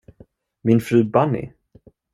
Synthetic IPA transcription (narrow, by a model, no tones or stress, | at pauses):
mɪnfɾʉ̟ːbanːɪ̰